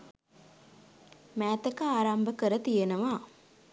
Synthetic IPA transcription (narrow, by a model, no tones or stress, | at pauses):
mæːt̪əkəaːɾambəkəɾət̪ijenəʋa